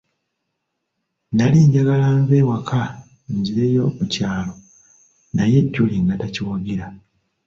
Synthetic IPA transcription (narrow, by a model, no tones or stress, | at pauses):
naliɲɟaɡalaːmvewakʰa | ɲɟiɾejo̞mucaːlo̞ | naje̞ɟːuliŋɡataciwaɡiɾa